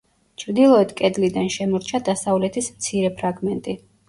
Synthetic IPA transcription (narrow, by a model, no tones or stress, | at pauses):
t͡ʃʰɾd̪ilˠɔɛd̪kʼɛd̪lid̪anʃɛmɔɾt͡ʃʰad̪asavlɛt̪ʰismt̪sʰiɾɛpʰɾaɡmɛnt̪ʼi